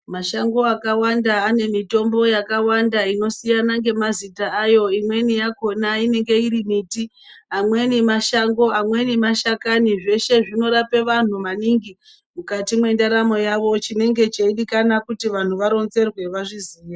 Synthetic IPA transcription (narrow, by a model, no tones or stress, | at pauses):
maʃaŋɡo̞akawandaːne̞mito̞mbo̞jakawandaino̞sijanaŋɡe̞mazitaːjo̞imwe̞nijako̞naine̞ŋɡe̞iɾimiti | amwe̞nimaʃaŋɡo̞amwe̞nimaʃakaniʐe̞ʃe̞ʐino̞ɾape̞ʋan̤umaniŋɡi | mukatimwe̞ndaɾamo̞jaʋo̞t͡ʃine̞ŋɡe̞t͡ʃeiɗikanakutiʋan̤uʋaɾo̞nze̞rwe̞ʋaʐiziːja